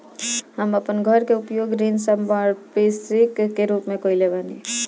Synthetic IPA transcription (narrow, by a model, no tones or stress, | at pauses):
ɦɐmɐpənɡʱəɾkeʊpjoːɡɾiːnsɐmbaːɾpeːsɪkkːeɾuːpmẽkoːileːʋaːnie